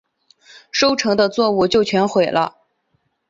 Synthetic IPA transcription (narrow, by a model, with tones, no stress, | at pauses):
ʂo˥ʊʈ͡ʂʰɤ˧˥ŋd̪ə˧t͡swɔ˥˧u˥˧t͡ɕjo˥˩ʊt͡ɕʰɥɛ˧˥nxwe˨˩ɪlʔə̰˦